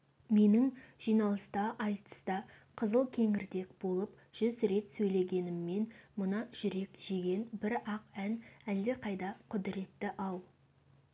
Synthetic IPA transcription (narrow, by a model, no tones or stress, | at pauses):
me̞nɪŋʒ̥ijnɑlˠəst̪ɑʔɑjt̪ə̥st̪ɑ | qʰəzəlˠkʲʰe̞ŋɪɾd̪e̞kbo̞lˠəp | ʒ̥ʏzɾe̞t̪sɵjle̞ɡʲe̞nɪmːe̞nmʊnɑʒ̥ʏɾe̞kʒ̥eɡʲe̞nbɪɾɑqænæld̪e̞qʰɑjd̪ɑqʰʊd̪ɪɾe̞t̪ːɪʔɑw